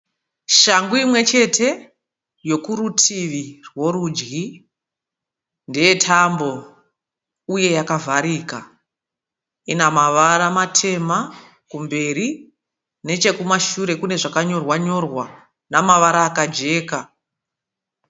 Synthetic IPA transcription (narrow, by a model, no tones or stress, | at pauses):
ʃaŋɡuimwe̞t͡ʃe̞tʰe̞ | jo̞kuɾutʰiʋirwo̞ɾud͡ʒɡi | ndeje̞tʰambo̞ | uje̞jakavʱaɾiːka | inamaʋaɾamatʰe̞ma | kumbe̞ɾi | ne̞t͡ʃe̞kumaʃuɾe̞kune̞ʐakaɲo̞rwaɲo̞rwa | namaʋaɾaːkad͡ʒe̞ːka